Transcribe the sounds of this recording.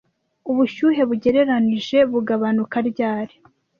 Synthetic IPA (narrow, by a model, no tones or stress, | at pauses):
uβuʃuːɦe̞βuɟe̞ɾe̞ɾaniʒe̞βuɡaβanukaɾɟaːɾi̥